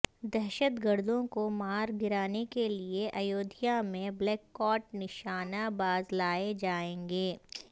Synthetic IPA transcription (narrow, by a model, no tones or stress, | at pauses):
d̪ɛɦʃət̪ɡəɾd̪ʱõkomaːɾɡɪɾaːnekelieʔɐjoːd̪ʱɪjamẽblɛːkːɔːʈnɪʃaːnabaːzlaːed͡ʒaːẽːŋɡeː